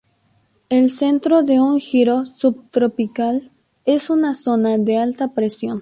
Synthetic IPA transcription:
e̞lse̞nt̪ɾo̞ðe̞uŋxiɾo̞sub̚t̪ɾo̞pikal | e̞sunaso̞naðe̞alt̪apɾesjo̞n

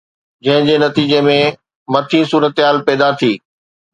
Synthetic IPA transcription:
d͡ʑɐ̃ɦɪ̃d͡ʑeːnɐt̪iːd͡ʑemẽ | mɐt̪ʰĩsuːɾət̪ɦaːlpɛːd̪at̪ʰiː

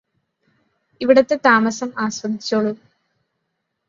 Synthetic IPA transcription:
iʋiɽɐt̪ːe̞t̪aːmɐsɐmaːswɐd̪it͡ɕːoːɭːu

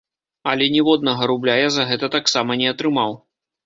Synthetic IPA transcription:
ɐlʲɛnʲɛvɔd̪nɐɣɐɾublʲajazɐɣɛt̪ɐt̪aksamɐnʲɛɐt̪ɾɨmaw

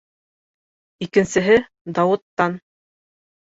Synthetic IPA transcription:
ikɘ̆nsɘ̆ɦɘ | d̪ɑwɤ̆t̪ːɑn

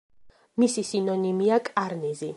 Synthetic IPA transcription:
misisinɔnimiakʼaɾnizi

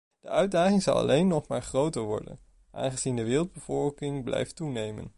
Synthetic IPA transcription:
d̥əœɥdaːχɪŋzɑ̰lˠɑ̰lʔejnːɔχmaːɹχrowtəɹʋɔ̰ɹdə̰n | ʔa̰ːnχəz̥indəʋɪːrəlˠd̚bəvɔlˠkɪŋblɛ̰jftunejmə̰n

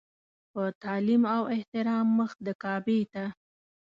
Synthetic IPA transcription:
pət̪ɑlimawɪht̪ɪɾɑmːəx̚d̪əkɑbet̪a

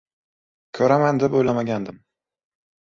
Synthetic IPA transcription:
kʲʰɵɾamand̪ɪbojlamaɡʲand̪ɪm

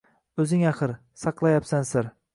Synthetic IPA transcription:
ɵzɪŋaχɨɾ | sɑqlˠajapsansɪɾ

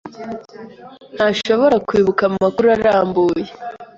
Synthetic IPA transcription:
n̥haʃo̞βo̞ɾakwiːβukamumakuɾaɾaːmbuːje

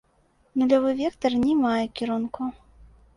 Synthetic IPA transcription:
nulʲɔvɨvʲɛkt̪ɐrnʲɛmajɛkʲiɾunku

